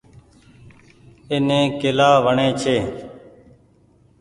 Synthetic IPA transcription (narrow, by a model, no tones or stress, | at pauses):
enẽːkelaːʋəɳeːt͡ʃʰeː